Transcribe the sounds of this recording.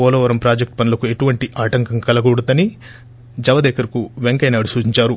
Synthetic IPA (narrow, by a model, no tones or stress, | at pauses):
ɔːlɐːʋɐɾɐmpɾaːd͡ʒek̚ʈ̚pɐnulɐkue̞ʈuʋɐɳʈiʔaːʈɐŋkɐŋkɐlɐɡoːɽut̪ɐni | d͡ʒɐʋɐd̪ɛːkɐɾikuʋeŋkɐjnɐːɐɽusuːt͡ʃiɲt͡ʃaːɾu